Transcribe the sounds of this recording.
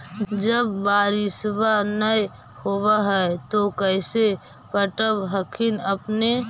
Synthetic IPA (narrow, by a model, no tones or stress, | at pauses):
d͡ʒəbːaːɾɪsbanəj | howaɦɛt̪okəɪse | pəʈəbɦəkʰinəpne